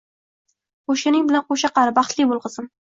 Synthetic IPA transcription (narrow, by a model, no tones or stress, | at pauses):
qoʃɪnɪŋbɪlanqoʃaqʰɑɾɪbɑχt̪lɪbolˠqɨzɪm